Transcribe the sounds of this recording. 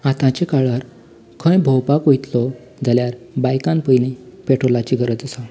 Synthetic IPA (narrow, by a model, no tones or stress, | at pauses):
at̪ãt͡ɕekaɭaɾ | kʰə̃jbʱɔwpakojt̪lɔ | d͡zaljaɾbajkãnpəjnipeʈʰolat͡ɕiɡʱəɾət͡səsa